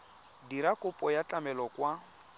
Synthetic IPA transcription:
diɾakʊpʼɔjat͡ɬʼamɛlɔkwa

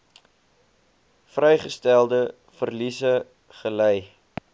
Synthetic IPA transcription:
frɛjχəstælˠdə | fərlisə | χəlɛj

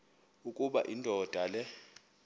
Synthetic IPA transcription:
ukʼuɓa̰ʔindʱɔd̥ʱalɛ

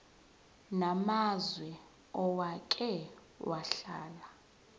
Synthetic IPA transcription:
namazwɛ | ɔwakʼɛ | wʔaɬaːla

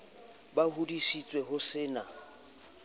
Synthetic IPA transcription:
bahudisit͡sʼweɦʊsɪːna

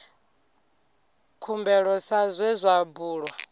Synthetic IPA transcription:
kʰumbɛɺɔsazʷɛzʷabuːɺwa

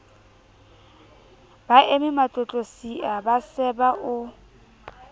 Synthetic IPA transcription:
b̥aʔemɪmat͡ɬʼɔt͡ɬʼosiʔabasɛbaʔʊ

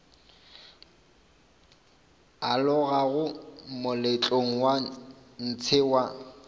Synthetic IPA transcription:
alʊɣaɣʊmʊlɪt͡ɬʼoŋ̩wan̩t͡sʰɪwa

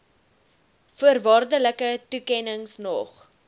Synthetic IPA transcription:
fuərvɑːrdələkətukɛnəŋsnɔχ

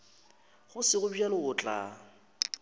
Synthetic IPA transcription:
χʊsɪɣʊbialʊʊt͡ɬʼa̰

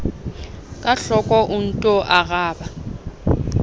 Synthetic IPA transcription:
kʼaɬɔkʼɔʔʊn̩tʼɔʔaɣaːba

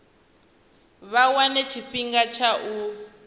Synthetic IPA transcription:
βawanɛt͡ʃʰifiŋɡat͡ʃʰaʔu

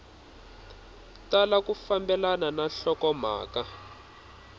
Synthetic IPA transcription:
talakufambɛlananaɬɔkɔm̤a̰ːka

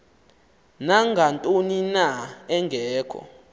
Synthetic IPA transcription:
naŋɡʱantʼoninaɛŋɡʱɛːkʰɔ̰

